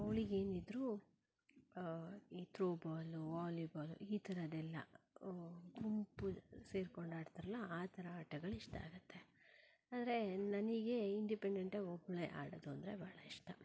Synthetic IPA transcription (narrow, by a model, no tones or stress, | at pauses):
ɐʋɭiɡe̞ːnid̪ɾu | iːt̪ɾoːbaːluʋaːlibaːlṵʔiːt̪ʰɐɾɐd̪ɛlːɐ̰ | ɡumpuse̞ːɾko̞ɳɖaːɽt̪aɾɐlːɐaːt̪ʰɐɾɐaːʈɐɡɐɭiʂʈɐa̰ːɡut̪ʰːe̞ | aːd̪ɐɾe̞nɐniɡe̞iɳɖipeɳɖeɳʈaːɡɔbːɐɭeːʔa̰ːɽɐd̪uɐnd̪ɐɾe̞̰baːɭɐiʂʈɐ